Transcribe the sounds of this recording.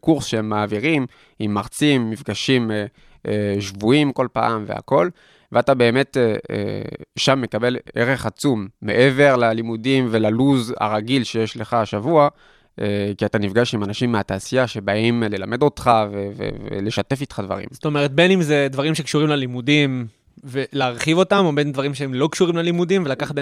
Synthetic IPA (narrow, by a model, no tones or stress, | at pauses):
kuʁsʃehemːaːviʁim | imːaʁt͡simːifɡaʃime | ʃvuimko̞lpa̰ːmve̞̰a̰ko̞l | veatabe̞ːme̞teḛʃamːe̞kabe̞leʁe̞χat͡sumːe̞̰ʔe̞ve̞ʁlalimudimve̞laluza̰ʁaɡilʃe̞jeʃle̞χaʃavua | ʔekiatanifɡaʃimanaʃimːeataːsijaʃe̞baimle̞lame̞do̞tχavevḛvḛle̞ʃate̞fitχadva̰ʁḭmsoto̞meʁ̞et̪̚be̞nimzedvaʁimʃe̞kʃuʁimlalimudim | ve̞leːʁχivo̞tamo̞benndvaʁimʃeemlo̞kʃuʁimlalimudimve̞lakaχat̚be